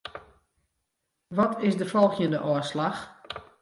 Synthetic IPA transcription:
ʋɔtʰɪsdəfɔlˠxjəndəʔɔːslax

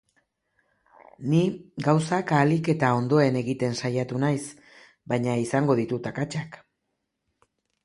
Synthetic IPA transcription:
niɡawsakalike̞t̪ao̞nd̪o̞e̞ne̞ɣit̪e̞nsajat̪unajs | bajɲaisaŋɡo̞ð̞it̪ut̪akat͡ʃak

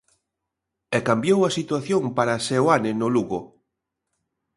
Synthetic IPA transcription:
ɛkambjowɐsit̪waθjoŋpaɾasewanɪnʊluɣʊ

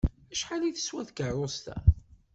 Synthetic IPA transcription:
æʃħaliθə̥swæθɡərˤʊst̪æ̰

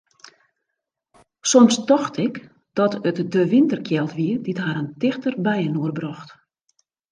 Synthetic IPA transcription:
sɔmstɔxtʰɪk | d̥ɔtətdəʋɪntərkʰjɛlˠtʋiərditɦaɾəntɪxtərbɛjənoərbrɔxt

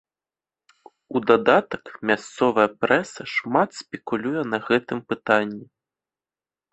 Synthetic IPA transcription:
ud̪ad̪at̪ɐkmʲast̪sɔvɐjɐpɾɛsɐʂmat̪sʲpʲɛkulʲujɛnɐɣɛt̪ɨmpɨt̪anʲːi

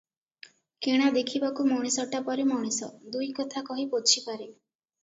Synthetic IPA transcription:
keɽ̃ad̪ekʰibakumɔɽ̃isɔʈapɔɾimɔɽ̃isɔd̪ujkɔt̪ʰakɔɦipot͡ʃʰipaɾe

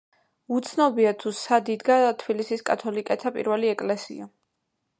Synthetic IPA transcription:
ut̪sʰnɔbiat̪ʰusad̪id̪ɡat̪ʰbilisiskʼat̪ʰɔlikʼɛt̪ʰapʼḭɾvɛliɛkʼlɛsḭa

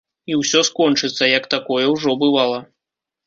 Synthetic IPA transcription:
iwsʲɔskɔnt͡ʂɨt̪sːɐjɐkt̪akɔjɛwʐɔbɨvalˠɐ

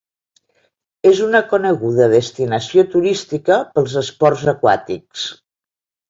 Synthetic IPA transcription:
ezunəkunəɣuðəðəst̪inəsiot̪uɾist̪ikəpəlˠzəspɔrzəkwa̰t̪iks

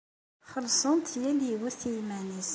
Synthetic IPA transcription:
χəlsˤənt̪ʰjæliwuθijmænis

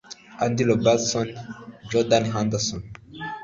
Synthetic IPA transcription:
and̪ilobalsɔnd͡ʒɔdanɦand̪əsɔn

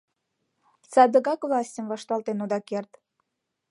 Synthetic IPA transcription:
t͡sɑd̪əɣɑkvlˠɑsʲtʲəmvɑʃt̪ɑlt̪enod̪ɑkert̪

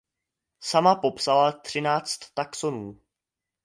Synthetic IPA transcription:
samapo̞psalat̪r̝̥ɪnaːt͡st̪ːaksonuː

